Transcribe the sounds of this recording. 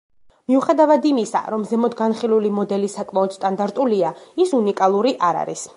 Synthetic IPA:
miuχɛd̪avad̪imisa̰ɾɔmzɛmɔd̪ɡanχilulimɔd̪ɛlisakʼmaɔd̪̥st̪ʼand̪aɾt̪ʼuliaisunikʼalˠuɾiʔaɾa̰ɾḭs

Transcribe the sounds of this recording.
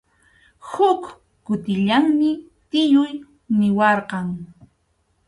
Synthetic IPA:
hʊk | kʊt̪ɪʎaŋmɪ | t̪ɪjʊj | nɪwɑɾqɑŋ

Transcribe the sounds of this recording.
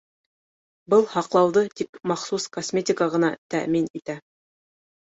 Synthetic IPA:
bɤlˠhɑqlˠɑwðɤt̪ikmɑχsuskosmʲetʲɪkəʁɤ̆nɑt̪æ̰ʔminit̪æ

